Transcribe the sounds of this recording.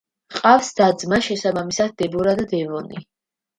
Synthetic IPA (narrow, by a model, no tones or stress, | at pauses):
qʼafsd̪̥ad̪zmaʃɛsabamisad̪̚ːɛbɔɾad̪d̪ɛvɔnḭ